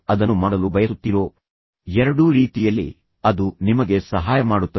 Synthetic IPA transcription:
ɐd̪ɐnːumaːɽɐlubɐjɐsut̪ːiɾo̞ː | ɛɾɐɽuɾiːt̪ijɐlːḭ | ɐd̪unimɐɡe̞sɐɦaːjɐmaːɽut̪ːɐ

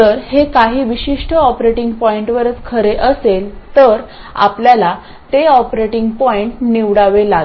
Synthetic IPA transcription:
t̪əɾhekaɦiːʋiɕiʂʈʰəɔpɾeʈiŋɡpɔiɳʈʋəɾət͡skʰəɾeʔəselt̪əɾ | a̰pljala | t̪eɔpɾeʈiŋɡpɔiɳʈniʋɽaʋelaɡ

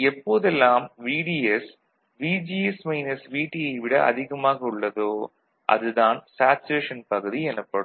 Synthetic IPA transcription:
ɛpːoːðɛlːaːmʋiːɽiɛs | ʋiːd͡ʒiːɛsmɐɪnɐsʋiːʈːɪjɐɪʋɪɽɐʔɐ̰ðɪɣɐmaːɣɐʊɭːɐðoː | ʔɐ̰ðɯðaːnsaːt͡ʃeːʂɐnpɐɣɯðiɛnɯpːɐɽɯm

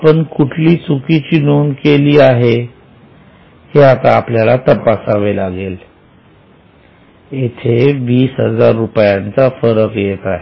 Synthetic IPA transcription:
apəɳkuʈʰliːt͡sukit͡ɕiːnuːnkeliːaɦe | heat̪aːpljalat̪əpasaʋelaɡel | et̪ʰeʋiːsɦəd͡zaɾːupjant͡safəɾəkjet̪aɦe

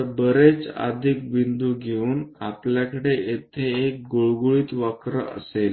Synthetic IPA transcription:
bəɾet͡sa̰d̪ʱik̚ʋind̪uɡʱeuːnapljakəɽeet̪ʰeːk̚ɡoɭɡuɭiːt̪ʋakɾəə̰sel

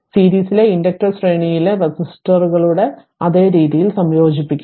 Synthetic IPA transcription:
siːɾiːsile̞indɐk̚ʈɐrsreːɳijile̞resisʈɐrɣɐɭuɽe̞ | ɐðe̞ːɾiːðijilsɐmjo̞ːd͡ʑipːikʲːu

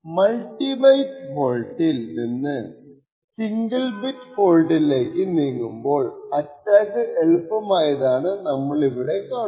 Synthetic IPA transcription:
mɐlʈːimɐjʈpoːɻʈːilninːɨ | siŋɡɐlbiʈfoːɻʈileːkːɨniːŋːumbo̞ːɭɐtːaːkɨʔeɭupːɐmaːjɐðaːɳɨnɐmːɐɭiʋiɽe̞kːaː

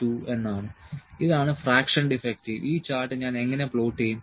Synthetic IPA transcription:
uenːaːɳɨiðaːɳɨfɾaːkʂɐɳɖifek̚ʈiʋʔiːt͡ɕaːɾʈːɨɲaːne̞ŋːɐnepɭoːʈːejum

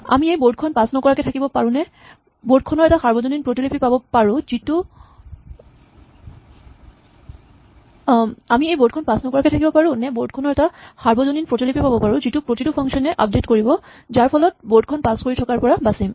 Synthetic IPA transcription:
a̰miejboɹdkʰɔnpasnɔkɔɹakɛtʰakibɔpaɹũnɛ | boɹd̚kʰɔnɔɹɛtaxaɹbɔzoninpɹotilipipabɔpaɹʊ̃zitu | amiejbod̚kʰɔnpasnɔkɔɹakɛtʰakibɔpaɹʊ̃nɛbod̚kʰɔnɔɹɛtaxaɹbɔzoninpɹotilipipabɔpaɹũzitʊpɹotitupʰɔŋsɔnɛʔa̰p̚detkoɹibɔ | zaɹpʰɔlɔt̚boɹd̚kʰɔnpaskoɹitʰɔkaɹpɔɹabasim

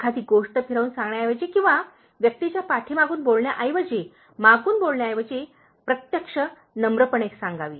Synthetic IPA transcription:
kʰad̪iːɡoʂʈəpʰiɾaʋuːnsãŋɡɳjajʋəd͡ʑekĩw̃ʋa | ʋjək̚t̪it͡ɕjapaʈʰiːmaɡuːnbolɳjaʔajʋəd͡ʑe | maɡuːnbolɳjaːjʋəd͡ʑe | pɾət̪jəkʂə | nəmɾəpəɳeksãŋɡaʋiː

